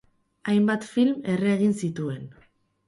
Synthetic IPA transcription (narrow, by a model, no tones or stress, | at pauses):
ajmbat̪filme̞reːɣ̞insit̪ue̞n